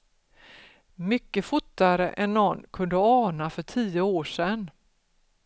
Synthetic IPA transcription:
mʏkːəfʊt̪ːaɾəʔɛnːɔnːkʰɵnd̪əɑːnafœʈʰiːəoːʂɛn

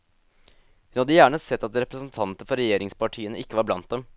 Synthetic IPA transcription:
hʉnhɑd̪ːəjæːɳəsɛt̪ːɑt̪ɾɛpɾəsn̩t̪ʰɑnt̪əfɔɾɛjeːɾɪŋspɑʈʰiːənəɪkːəʋɑɾblɑnt̪̚d̪ɛm

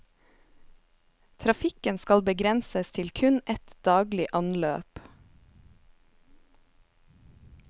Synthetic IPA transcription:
t̪ʰɾɑfɪkənskɑlbəɡɾɛnsəst̪ʰɪlkʰʉnɛt̪d̪̥ɑːɡlɪʔɑnløːp

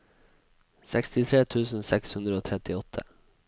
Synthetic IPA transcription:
sɛkst̪ɪt̪ʰɾeːt̪ʰʉːsn̩sɛkshʉnd̪ɾəoːt̪ʰɾɛt̪ɪɔt̪ʰə̰

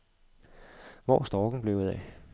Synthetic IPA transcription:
ʋɒ̰ːsd̥ɒːɡ̥n̩b̥le̝ʊuðˠɛ̰

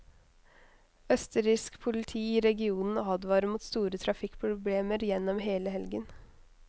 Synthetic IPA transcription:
œst̪əɾɪskpʰʊlɪt̪ʰiːiːɾɛɡɪuːnn̩ɑːd̪ʋɑːɾəmuːt̪st̪uːɾət̪ʰɾɑfɪkːpʰɾʊbleːməɾjɛnːɔmɦeːləɦɛlɡən

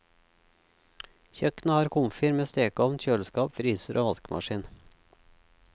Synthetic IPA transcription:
çœkn̩əhɑːɾkʰʊmfɪɾmeːst̪eːkɔʋnçøːlskɑːpfɾyːsəɾʔo̰ːʋɑskmɑ̰ʃiːn

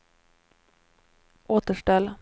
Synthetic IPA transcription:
ʔoːt̪əʂʈɛlː

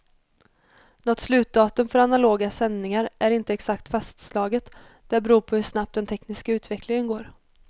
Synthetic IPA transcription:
nɔt̪slʉ̟ːt̪̚d̪ɑːt̪ɵmfœɾanaloːɡasɛnːɪŋaɾʔæɾɪnt̪əɛksakt̪fast̪slɑːɡət̪ | d̪̥æɾbɛɾuːpʰɔhɵʂnap̚t̪d̪ɛnt̪ʰɛknɪskaʉ̟ːt̪vɛklɪŋənɡoːɾ

